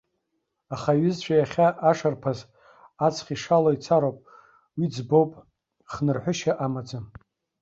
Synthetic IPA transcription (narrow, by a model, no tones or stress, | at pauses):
aχaɥɪzt͡ɕʷʰajaχʲaʔaʂarpʰaz | at͡sʰχʲiʂaloit͡sʰaɾowpʼ | wid͡zbowpʼ | χnɨrħʷʊʃaʔamad͡zam